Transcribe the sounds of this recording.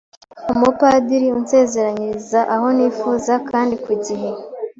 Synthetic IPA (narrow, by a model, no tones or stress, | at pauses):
omupadiɾiunse̞ːze̞ɾaɲiɾizaʔaho̞niːfuːzakaːndikwiɟiɦe